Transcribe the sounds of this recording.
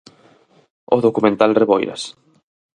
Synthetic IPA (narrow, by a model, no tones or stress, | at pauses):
o̰ðokumẽnt̪alreβɔjɾɐ̰s